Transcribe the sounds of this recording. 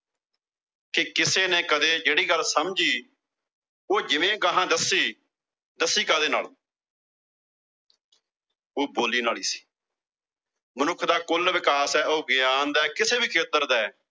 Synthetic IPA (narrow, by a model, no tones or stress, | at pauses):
kekɪseːneːkəd̪eːd͡ʒeːɽiːɡəlsəmd͡ʒiː | oːd͡ʒɪʋẽːɡəɦãːd̪əsiː | d̪əsiːkəd̪eːnaːl | oːboːliːnaːliːsi̥ː | mənʊkʰd̪aːkʊlʋɪkaːsɛːoːɡɪjaːnd̪ɛːkɪseːbiːkʰeːt̪əɾd̪ɛː